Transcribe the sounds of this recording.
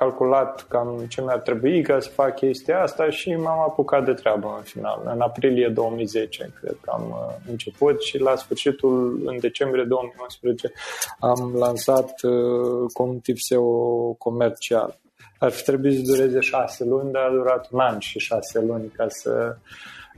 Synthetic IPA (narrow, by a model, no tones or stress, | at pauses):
kalkulat̪kamt͡ʃenuart̪ɾe̞buikasə̥fakkʲe̞st̪iaast̪aʃimamapukat̪̚d̪et̪ɾeabəɨnfina̰lɨ̰napɾilied̪o̞wəmijze̞t͡ʃe̞̰kɾḛd̪̚kəa̰mɨnt͡ʃe̞put̪ʃilasfɨrʃit̪ulɨ̰nd̪e̞t͡ʃe̞mbɾijed̪o̞womijunspɾezet͡ʃe̞amlansat̪ | kumt̪ipseoko̞me̞rt͡ʃia̰l | arfi̥t̪ɾe̞buit̪səd̪uɾe̞ze̞ʃaselunʲd̪aːd̪uɾat̪unanʃiʃase̞lunʲkasə̰